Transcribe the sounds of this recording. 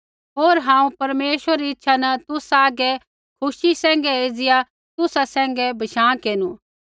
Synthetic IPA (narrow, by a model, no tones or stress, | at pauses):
ɦoːɾɦãːũpɐɾmeːʃəɾɾiɪtːʃʰanɐt̪ʊsaːɡɛ | kʰʊʃisɛ̃ːŋɡɛeːd͡zɪja | t̪ʊsasɛ̃ːŋ̆ɡɛbʱɐʃãːkeːnu